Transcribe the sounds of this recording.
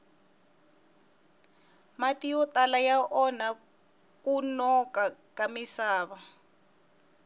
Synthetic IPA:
matijɔtʼalajaʔɔna | kunɔkakamisaːβa

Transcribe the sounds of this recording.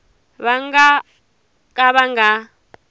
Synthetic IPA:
βaŋa | k̬ʼaβaŋɡa

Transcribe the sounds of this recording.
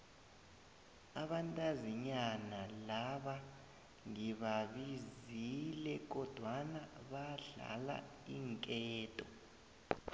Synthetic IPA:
aɓantʼaziɲanalaɓa | ŋiβaβizilɛk̬ɔd̥ʱwanaɓaɮa̰la̰iŋkʼɛːtʼɔ

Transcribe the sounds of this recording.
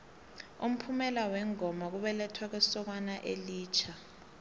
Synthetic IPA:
ṵm̩pʰumɛlawɛŋɔmak̬uɓɛlɛtʰwak̬ɛsɔk̬wanaʔeliːt͡ʃʰa

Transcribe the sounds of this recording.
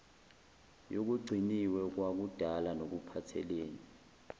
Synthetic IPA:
jok̬uɡ͡ǀʱiniwɛk̬wak̬ud̥ʱalanok̬upʰatʰɛ̰leːni

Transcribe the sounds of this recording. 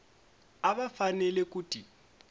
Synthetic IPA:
aβafanɛlɛkuːtʼi

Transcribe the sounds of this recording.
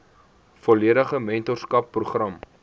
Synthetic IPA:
fɔliəɾəχəmɛntɔrskɐpːruχrɐm

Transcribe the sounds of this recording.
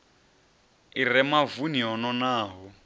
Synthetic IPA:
irɛmavuniɦɔnɔnaːɦɔ

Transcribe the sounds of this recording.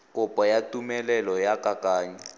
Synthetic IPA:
kʼɔpʼɔjatʼumɛlɛlɔjakʼakʼaːɲɛ

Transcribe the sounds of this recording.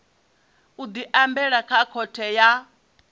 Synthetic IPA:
ud̪iʔambɛɺakʰakʰɔtʰɛja

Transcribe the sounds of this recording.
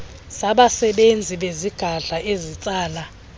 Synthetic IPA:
saɓasɛɓend͡zʱiɓeziɡ̥ʱaɮaʔezit͡sʼaːla

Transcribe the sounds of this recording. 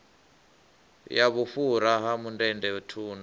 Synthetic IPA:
jaβufuɾaɦamundɛndɛutʰuːn

